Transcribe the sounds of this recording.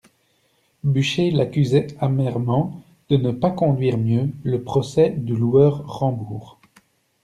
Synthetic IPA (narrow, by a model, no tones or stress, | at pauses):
byʃelakʲyzɛamɛʁmɑ̃ | d̪̥ənəpakɔ̃d̪ɥiːʁmjøləpχɔsɛd̪əluœːʁʁɑ̃buːʁ